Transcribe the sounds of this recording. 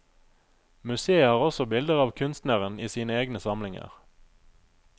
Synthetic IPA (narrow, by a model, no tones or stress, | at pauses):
mʉseːəɑːʁɔsɔbɪld̪əʁɑːʋkʰʉnst̪nəʁəniːsiːnəeːɡnəsɑmlɪŋə̰ʁ